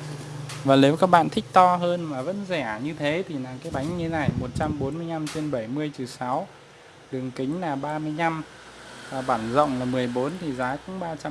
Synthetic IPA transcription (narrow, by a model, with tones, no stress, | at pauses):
vaː˨˩ne˨˦wkaː˦˥k̚ɓa̰ː˧˨nt̪ʰï˦˥k̟̚t̪ɔ˧ɦəː˧nmaː˨˩və̰˧˥nzɛ˧˩ɲɨ˧t̪ʰe˨˦t̪ʰi˨˩naː˨˩kaː˨˦jɓa˨˦jŋ̟ɲɨ˧na˨˩jmo˨˩t̚t͡ɕa˧mɓo˨˦nmɨ˧əjna˧mt͡ɕe˧nɓə˧˩jmɨ˧əjt͡ɕɨ˨˩sa˨˦w | ɗɨ˨˩əŋkï˨˦ŋ̟laː˨˩ɓaː˧mɨ˧əjna˧m | vaː˨˩ɓaː˧˩nzə̰˧˨wŋ͡mlaː˨˩mɨ˨˩əjɓo˨˦nt̪ʰi˨˩zaː˨˦kʊ̰˧˥ŋ͡mɓaː˧t͡ɕa˧